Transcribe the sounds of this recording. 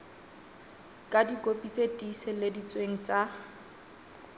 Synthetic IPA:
kʼadikʼopʼit͡sʼetʼisɪledit͡sʼweŋ̩t͡sʼa

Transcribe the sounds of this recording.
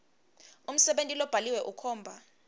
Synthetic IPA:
um̩sɛɓentʼilɔb̥ʱaliwɛʔukʰɔːmbʱa

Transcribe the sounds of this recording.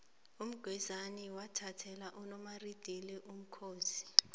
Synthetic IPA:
um̩ɡ̥ʱwɛzaniwatʰatʰɛlaʔunɔmarid̥ʱiliʔum̩kʰoːzi̥

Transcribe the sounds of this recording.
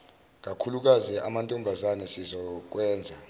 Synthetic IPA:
k̬ʼakʰuluk̬azɛʔa̰mantʼɔmbʱazanɛsizɔk̬wɛːnd͡zʱa

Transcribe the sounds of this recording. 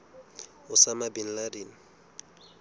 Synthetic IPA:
ʊsamabin̩ladiːn̩

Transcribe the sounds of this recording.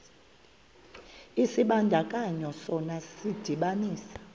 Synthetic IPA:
isiɓandʱakʼaɲɔsɔnasid̥ʱiɓaniːsḁ

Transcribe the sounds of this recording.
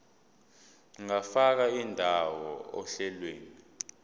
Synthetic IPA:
ŋafak̬aindʱawɔɔ̰ɬɛlweːni

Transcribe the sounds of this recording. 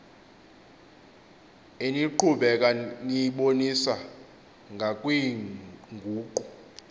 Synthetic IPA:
eniǃʰuɓɛk̬ʼaniɓonisa | ŋɡʱakʼwiŋɡʱuːǃɔ

